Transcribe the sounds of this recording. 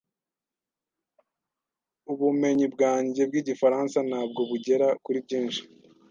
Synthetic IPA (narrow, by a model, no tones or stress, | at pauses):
uβume̞ɲibɡaːɲɟe̞bɡiːɟifaɾansanhaːb̚ɡo̞βuɟe̞ɾakuɾibɟiːnʃi̥